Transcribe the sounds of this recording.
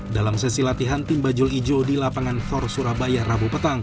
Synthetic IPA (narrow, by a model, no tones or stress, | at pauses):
dalamsesilat̪iɦant̪imbad͡ʒʊlid͡ʒodilapaŋanfɔrsuɾabajarabupət̪aŋ